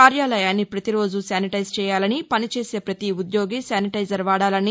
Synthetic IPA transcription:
aːɾjaːlɐjaːnːipɾɐt̪iɾo̞ːd͡ʒusjaːniʈɐjzt͡ʃɛːjaːlɐnipɐnit͡ʃeːse̞ːpɾɐt̪iud̪jo̞ːɡisaːniʈɐjd͡ʒɐɾʋaːɽaːlɐni

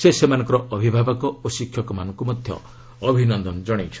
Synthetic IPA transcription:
sesemanɔ̃ŋkɔɾɔʔɔbʱibʱabɔkɔosikʰːjɔkɔma̰nɔŋkumɔd̪ʱjɔ̰ | ɔbʱinɔnd̪ɔnd͡ʒɔɽ̃it͡ʃʰ

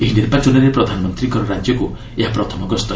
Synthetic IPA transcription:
eɦineɾpat͡ʃunaɾepɾɔd̪ʱanɔmɔnt̪ɾiŋkɔɾɔɾad͡ʒjɔku | eɦapɾɔt̪ʰɔmɔɡɔst̪ɔ

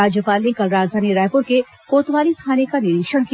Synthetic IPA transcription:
aːd͡ʒjəpaːlnekɐlɾaːd͡ʒd̪ʱaːniɾɛːɦpʊɾke | koːt̪ʋaːlikʰaːnekanɪɾikʃəɽ̃ki

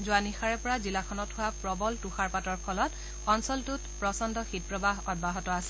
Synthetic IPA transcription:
zʊwanixaɹɛpɔɹazilakʰɔnɔthʊwapɹɔbɔltuxaɹpatɔɹkʰɔlɔt | ɔnsɔltutpɹɔsɔndɔxit̚pɹɔbaɦɔd̚baɦɔtɔasɛ

